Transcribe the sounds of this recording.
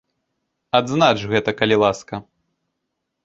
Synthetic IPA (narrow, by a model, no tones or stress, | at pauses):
ad̪znat͡ʃɣɛt̪ɐkɐlʲilˠaskɐ